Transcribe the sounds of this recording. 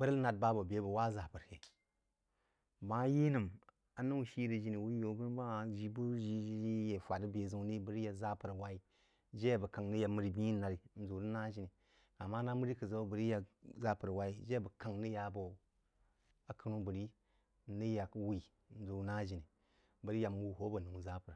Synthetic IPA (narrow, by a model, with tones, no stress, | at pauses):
b̥ə˦ɾna˨t̚ba˦bo˨be˦bo˨wa˦za˨pə˨ɾke˨ | ba˦ji˦nə˨m | a˨nu˦˨ʃi˦ɾə˨d͡ʒi˦ni˨wu˦jo˨˦bə˦n˦ba˦˨ʒi˨bu˦ʒi˦i˦je˨fʷa˨də˦be˨zu˨˦ni˦bə˦ɾi˦ja˨za˦pə˨ɾwa˨i˦ | d͡ʒe˦a˨bə˨ka˨ŋni˦ja˨mə˨ɾi˦bi˦i˦na˨ɾi˨n̩˨zu˨ɾə˦na˦d͡ʒi˨ni˨ | a˨ma˦na˦mə˦ɾi˦kə˨za˦o˦bɾi˦ja˨za˦pə˨ɾwa˦i˦d͡ʒe˦˨bə˨ka˨ŋni˦ja˨bo˨ | a˨kə˨˦ɾu˦bə˨ɾi˦ | nə˦ja˨kwi˨ | n̩˨˦zu˨˦na˦d͡ʒi˨ni˨ | bə˨ɾi˦ja˨m˦u˨ho˦bə˨nu˨za˦pə˨ɾ